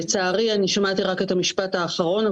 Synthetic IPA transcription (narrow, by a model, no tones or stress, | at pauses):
t͡saːʁianiʃamat̪iʁake̞thamiʃpathaːχaʁo̞na